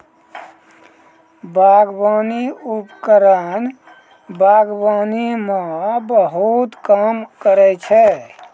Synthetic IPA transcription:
baɡbaniupkəɾən | baɡbanimabəɦut̪kamkəɾɛt͡ʃʰɛ

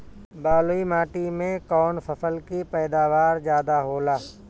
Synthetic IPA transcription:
baːloimaːʈimẽkɔːnfʰəfʰəlkipɛːd̪aːʋaːɾzjaːd̪aɦoːlaː

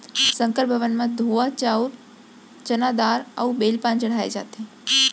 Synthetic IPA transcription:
sə̃ŋkəɾbʱəʋənmãd̪ʱoːʋat͡ʃaːuɾ | t͡ʃənad̪aːɾə̰ubeːlpãːnt͡ʃəɽ̤aːḛd͡ʒa̰ːt̪ẽ

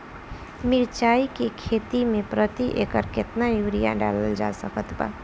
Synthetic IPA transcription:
miɾt͡ʃaikekʰet̪imepɾət̪iʔekəɾket̪najuɾija̰ɖa̰ləld͡ʒa̰səkət̪ba̰

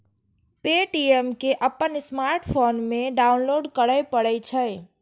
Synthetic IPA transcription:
peʈiemkeʔəpːənsmaɾʈpʰonmeɖaunloɖkəɽəjpəɽəjt͡ʃʰəj

